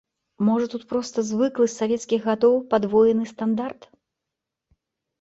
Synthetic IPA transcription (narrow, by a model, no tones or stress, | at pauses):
mɔʐɐt̪ut̪pɾɔst̪ɐzvɨklˠɨsʲsavʲɛt̪skʲiɣɣat̪ɔwpad̪vɔjɛnɨst̪and̪art̪